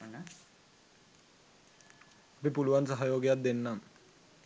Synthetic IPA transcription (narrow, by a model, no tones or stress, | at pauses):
apipuluʋansaɦajoːɡjat̪̚d̪enːam